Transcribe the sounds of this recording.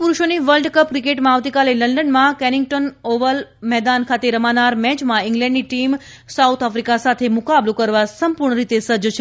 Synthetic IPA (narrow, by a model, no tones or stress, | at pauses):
puɾuʃoniʋəlɖkəp̚kɾikeʈmãaʋt̪ikaleləɳɖənmãkɛnɪŋɡʈənoʋəlmɛɦd̪ankʰat̪eɾəmanaɾmɛ̃t͡ʃmãiŋɡlɛ̃ɳɖniʈim | saut̪ʰafɾikasat̪ʰemʊkablõkəɾʋasəmpuɾɳəɾit̪esəɾd͡ʒt͡ʃʰe